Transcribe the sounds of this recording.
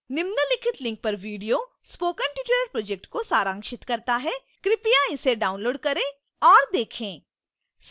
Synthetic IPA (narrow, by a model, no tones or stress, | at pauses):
nɪmnəlɪkʰɪt̪lɪ̃ŋk̚pɐɾʋiːɖijo | spoːkənʈɪʈeləɾpɾoːd͡ʒɛk̚ʈkosaːɾãːŋkʃɪt̪kɐɾt̪aɦɛ | kɾɪpijaɪseɖaːʊ̃nloːɖkɐɾẽ | ɔːɾd̪eːkʰẽː | s